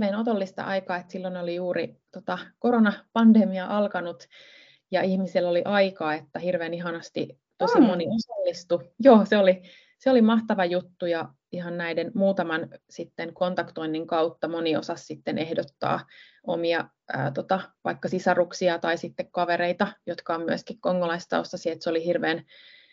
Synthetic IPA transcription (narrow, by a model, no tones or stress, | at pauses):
ʋeːnot̪olːist̪ɑ̰ʔɑikɑːet̪silːonolijuːrit̪ot̪ɑkoɾonɑpɑndemiɑʔɑlkɑnut̪ | jɑihmiselːoliʔɑikɑːet̪ːæhirʋeːniɦɑnɑst̪i | t̪osimːoniosɑlːist̪ujoːseoli | seolimɑht̪ɑʋɑjut̪ːujɑ | ihɑnnæidenmuːt̪ɑmɑnsit̪ːeŋkont̪ɑkt̪oinːiŋkɑut̪ːɑmoniosɑssit̪ːenʔehdot̪ːɑ̰ː | omiɑ | ə̰ːt̪ot̪ɑʋɑ̰ikːɑsisɑruksiɑt̪ɑisit̪ːekkɑʋeɾeit̪ɑjot̪kɑommyəskikkoŋːolɑist̪ɑ̰ost̪ɑsiet̪seolihirʋeːn